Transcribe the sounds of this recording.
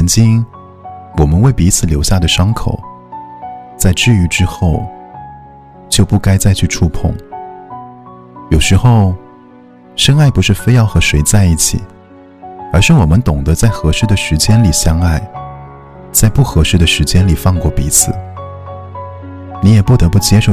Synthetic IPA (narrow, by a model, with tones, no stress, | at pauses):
ə˧˥nt͡ɕi˥ŋ | wɔ˨˩mə˦nwe˥˩ɪpi˧˥t͡sʰɹ̩˨˩ljo˧˥ʊɕja˥˩d̪ə˩ʂɑ˥ŋkʰo̰˨˩˦ʊ | t͡sa˥˧ɪʈ͡ʂɻ̩˥˩y˧˥ʈ͡ʂɻ̩˥xo˥˩ʊ | t͡ɕjo˥˧ʊpu˥˩ka˥ɪt͡sa˥˧ɪt͡ɕʰy˥˧ʈ͡ʂʰu˥˧pʰʊ̰˥˩ŋ | jo˨˩ʊʂɻ̩˧˥xo˥˧ʊ | ʂə˥ŋa˥˩ɪpu˧˥ʂɻ̩˥˩fe˥ɪjɑ˥˩ʊxɤ˧˥ʂwe˧˥ɪt͡sa˥˧ɪi˥˩t͡ɕʰḭ˨˩˦ | ə˞˧˥ʂɻ̩˥˩wɔ˨˩mə˦nt̪ʊ˨˩ŋd̪ə˦t͡sa˥˩ɪxɤ˧˥ʂɻ̩˥˩d̪ə˨ʂɻ̩˧˥t͡ɕjɛ˥nli˨˩ɕjɑ˥ŋa˥˩ɪ | t͡sa˥˧ɪpu˥˩xɤ˧˥ʂɻ̩˥˩d̪ə˨ʂɻ̩˧˥t͡ɕjɛ˥nli˨˩fɑ˥˧ŋkwɔ˥˩pi˧˥t͡sʰɹ̩˨˩˦ | ni˧˥jɛ˨˩pu˥˩t̪ɤ˧˥pu˥˩t͡ɕjɛ˥ʂo˥˩